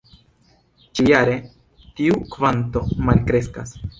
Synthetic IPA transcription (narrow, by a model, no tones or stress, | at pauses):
t͡ʃijaɾe̞ | tiukvanto̞malkɾe̞ska̰s